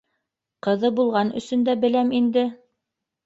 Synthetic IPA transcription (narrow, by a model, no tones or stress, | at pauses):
qɤ̆ðɤbulˠʁɑnɵ̰̆sɵ̆nd̪æbɘ̆læmind̪ɘ